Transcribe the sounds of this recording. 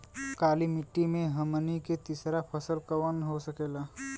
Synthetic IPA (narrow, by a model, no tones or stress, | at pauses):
kaːlimɪʈːimẽɦəmniket̪isɾapʰəsəlkəwənɦosəkeːla